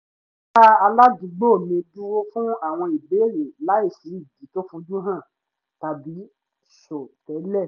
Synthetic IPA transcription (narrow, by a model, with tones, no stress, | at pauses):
ta˦a˧la˦du˨˧˦ɡ͡bo˦˨mĩ˧tu˦wo˦fũ˦a˦˨w̃ɔ̃˧i˨be˨˦˨ɾe˨la˨˦e˦˨si˨˦i˦˨di˨˦to˦fũ˧dũ˦ɦã˦˨ | ta˨bi˨˦ | ʃo˨tɛ˨˦lɛ˦˨